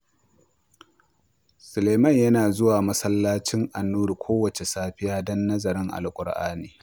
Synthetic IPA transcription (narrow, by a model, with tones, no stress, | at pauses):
sʊ˨leː˨mɐ˦˨ɲjɐ˦naː˨zʊ˦waː˨mɐ˦sɐ˦lːaː˦t͡ʃɪ˦ŋʔa˨nːuː˦ɾkʷʰoː˦wɐ˨t͡ʃe˨saː˦ɸɪ˦jaː˦dɔ˦nːɐ˦zɐ˨ɾɪ˦ŋʔa̰˨lkʷʼʊ˨ɽʔa̰ː˦niː˨